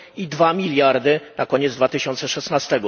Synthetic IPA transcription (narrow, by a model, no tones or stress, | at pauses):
id̪vamʲilʲjaɾd̪ɘnʔakɔɲɛd̪zd̪vat̪ɘɕɔnt̪sɛʂɛsnast̪ɛɡɔ